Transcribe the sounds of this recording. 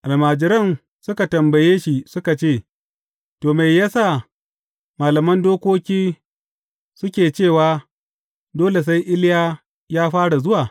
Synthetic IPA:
ʔa˨lmaː˨d͡ʒɪ˦ɾɐ˦˨n | sʊ˦ka˨tɐ˨mbɐ˨jeː˦ʃi˦sʊ˦ka˨t͡ʃeː˦˨ | toː˨ma˨jːa˦saː˦˨ | maː˨lɐ˨mɐ˦ndoː˦kʷoː˦kʲiː˦ | sʊ˦kʲeː˨t͡ʃeː˦˨waː˨ | doː˦le˨s̬a˦jʔɪ˦lɪ˦jaː˦ | jaː˦ɸaː˦ɽa˨zʊ˦waː˨

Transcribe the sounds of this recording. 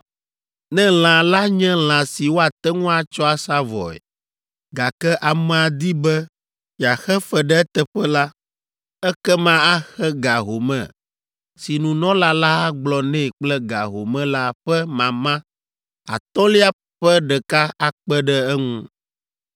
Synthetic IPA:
nɛ̃˦l̃ã˨la˦ɲɛ̃˦l̃ã˨si˨wo˦a˨t̪ɛ˦ŋũ˦a˨t͡ʃɔ˦a˨sa˦vɔ̰˨ɛ̰˨ | ɡa˨kɛ˦ʔa˨mɛ̃˨a˨d̪i˦bɛ˦ | ja˨xɛ˦fɛ˨ɖɛ˦t̪ɛ˨ɸɛ˦la˦ | ɛ˦kɛ˦mã˦a˦xɛ˦ɡa˨ɦo˨mɛ̰̃˨ | si˨nũ˨nɔ̃˦la˦la˦a˦ɡ͡blɔ˨nɛ̃˦˨k͡plɛ˦ɡa̰˨ɦo˨mɛ̃˦la˦ɸɛ˦mã˨mã˦ | a̰˨t̪ɔ̃˦li˦a˦ | ɸɛ˦ɖɛ˨ka˦a˨k͡pɛ˦ɖɛ˦ɛ˦ŋũ˦

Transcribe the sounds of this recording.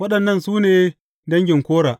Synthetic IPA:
wɐ˦ɗɐ˨nːɐ˦˨nsuː˦neː˨ | dɐ˦ŋɡʲɪ˨ŋkʷoː˦ɽaː˨ʔ

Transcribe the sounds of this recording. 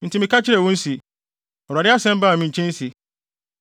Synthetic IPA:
n̩˨tʰi˨mĩ˨ka˦t͡ɕʰɪ˦ɾɛ˨wũ˦n̩˦si˨ | ɔ˨ɾa˨dɪ˦a˦sɛ̃˦m˦bã˦˨mĩ˨ɲ˨t͡ɕʰɛ̃˦n˦si˨

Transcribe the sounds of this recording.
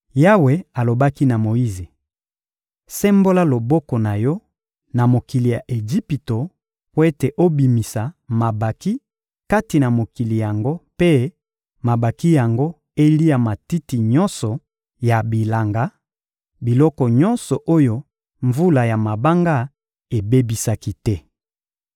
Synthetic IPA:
ja˦we˨a˨lo˨ba˦ki˦na˨mo˨ji˦ze˨ | sɛ˦mbo˦la˦lo˨bɔ˦kɔ˨na˨jɔ˦ | na˨mo˨ki˨li˨ja˨ʔe˨ʒi˦pi˨to˨ | po˦e˦te˨ʔo˦bi˨mi˨sa˨ma˨ba˨ki˦ | ka˦ti˨na˨mo˨ki˨li˨ja˨ŋɡo˦pe˦ | ma˨ba˨ki˦ja˨ŋɡo˦ | e˦li˦ja˨ma˨ti˦ti˨ɲɔ˦nsɔ˨ | ja˨bi˨la˨ŋɡa˨˦ | bi˨lɔ˦kɔ˨ɲɔ˦nsɔ˨ʔo˦jo˨ | ɱvu˦la˨ja˨ma˨ba˦ŋɡa˦ | e˨be˦bi˨sa˦ki˦tɛ˦

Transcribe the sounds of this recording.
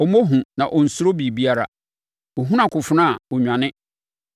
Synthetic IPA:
ɔ˨mõ˦ɦũ˨nã˨ʔɔ˨n̩˨sʊ˦ɾo˦bi˨bi˦a˦ɾa̰˨ | ɔ˨ɦũ˦nã˨kʰʊ˨fʊ˦nã˦˨ɔ˨ɲᶣã˨nɪ̃˦

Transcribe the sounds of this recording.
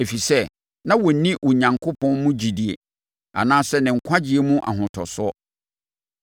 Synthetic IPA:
e˨fi˨sɛ˦ | nã˦wɔ˨n̩˦nĩ˦ʔwɔ˨ɲã˨ŋkʰo˦pʰɔ̃˦nmũ˦d͡ʑi˨di˨ḛ˨ | a̰˨nãː˦sɛ˦nɪ̃˨ŋ̩˨kʷʰa˦d͡ʑi˦e˨mũ˦ʔa̰˨ɦʊ̃˨tʰɔ˨sʊ˦ɔ˦

